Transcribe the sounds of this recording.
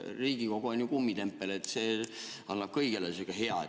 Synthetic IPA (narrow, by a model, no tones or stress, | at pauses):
riːɡ̥iko̞ɡ̥oonʲjukumːit̪e̞mpːˑelet̪se | ɑnːɑb̥̚kɤjɡelesikɑɦeɑ